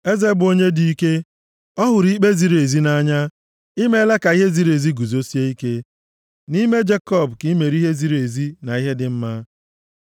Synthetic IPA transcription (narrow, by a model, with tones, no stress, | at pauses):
e˦ze˦bʊ˨o˦ɲe˦di˨i˦ke˦ | ɔ˦ɦʊ˨ɾi˦k͡pe˦zi˨ɾe˨zi˦na˦ɲa˦ | i˦me˦le˦ka˨i˦ɦe˦zi˦ɾe˨zi˦ɡu˨zo˦si˦e˦i˦ke˦ | ni˦me˦d͡ʒe˦kɔ˦˨bki˦me˨ɾi˦ɦe˦zi˦ɾe˨zi˦na˨i˦ɦe˦dɪ˨m̩˦ma˦